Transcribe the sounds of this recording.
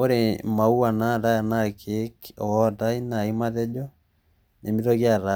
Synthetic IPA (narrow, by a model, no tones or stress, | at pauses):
oɾemauanadajanakʰekɔtainaimaðɛd͡ʒɔ | nemiðɔɣjaɾa